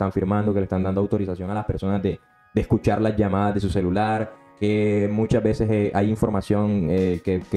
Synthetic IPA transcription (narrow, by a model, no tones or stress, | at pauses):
t̪aɱfiɾmãnd̪okelest̪and̪and̪oawt̪o̞ɾisasjo̞ŋalaspe̞ɾso̞nazd̪e | d̪eskut͡ʃaɾlazʝamað̞azðe̞s̬use̞lulaɾ | kemut͡ʃazbe̞seseʔajiɱfo̞ɾmasjo̞ŋekek